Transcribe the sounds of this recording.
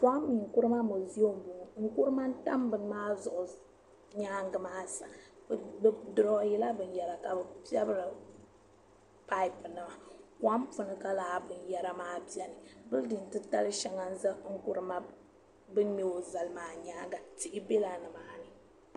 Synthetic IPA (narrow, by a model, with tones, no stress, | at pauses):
fʷa˦mː˦i˨ŋ˨ku˦ɾɨ˦ma˦mo˨zi˦o˦m˦bo˨ŋ˨ŋ̩˦ku˦ɾɨ˦ma˦n̩˦ta̰˦mbɨ˦n˦maː˦zʊ˨ʔʊ˨ | ɲaː˦ŋɡɨ˨maː˦sa˨˦bdɨ˨ɾɔ˦ji˦la˦bɨ˨n˦jɛ˨ɾa˨ka˨bɨ˨pi˦ɛ˦bɨ˦ɾɨ˨ | pa˦i˦pɨ˨nɨ˨ma˨kwa˦mpu˨nɨ˦ka˦laː˨˦bɨ˨njɛ˨ɾa˨maː˦pi˦ɛ˦nɨ˨bɨ˦ldɨ˨n˨tɨ˦ta˦lɨ˦ʃɛ˨ŋa˦n̩˦za˦ŋ̩˦ku˦ɾɨ˦ma˦ | bɨ˦n˦me˦o˨za˨lɨ˦maː˨ɲaː˦ŋɡa˨ti˨ʔɪ˦be˦la˨nɨ˨maː˦nɨ˨